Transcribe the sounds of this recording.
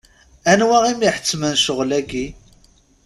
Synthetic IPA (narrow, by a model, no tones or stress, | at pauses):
ænwæʁimiħə̥t͡sːmənʃəʁlæɡi